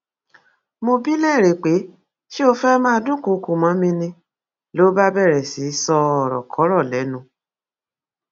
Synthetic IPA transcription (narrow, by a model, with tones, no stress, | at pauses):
mo˧bi˦lɛ˦˨ɾe˨k͡pe˨˦ | ʃi˦o˧fɛ˦mã˦˧˨dũ˦ko˨˦ku˨mã˨˦mĩ˧nĩ˧ | lo˦ba˦bɛ˦˨ɾɛ˨si˨˦sɔ˧ɔ˦˨ɾɔ̰˨kʰɔ˨˦ɾɔ˦˨lɛ˨˦nũ˧˦